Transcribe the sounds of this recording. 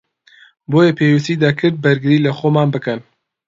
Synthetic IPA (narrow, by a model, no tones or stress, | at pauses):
boːjepʰeːwisiːd̪ɐkʰɨɾd̪̚bɐɾɡɨɾiːlɐxoːmaːnbɨkɐn